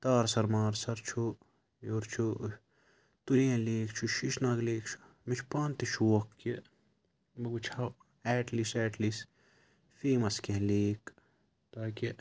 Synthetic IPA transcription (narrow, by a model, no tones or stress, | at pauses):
t̪aːɾsɐɾmaːɾsɐɾt͡ʃʰu | joːɾt͡ʃʰu | t̪uɾiɐ̃leːkt͡ʃʰuʃiʃnaːɡleːkt͡ʃʰu̥ | mit͡ʃʰpaːnt̪it͡ʃʰuwɐkːe | bɐɡut͡ʃʰɐ | ɛːʈlisɛːʈlis | feːmɐskeɦleːk | t̪aːki